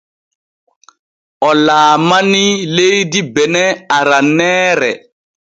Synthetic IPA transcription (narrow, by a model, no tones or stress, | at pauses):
ʔɔlaːmanilejdibɛnɛaɾanɛːɾɛ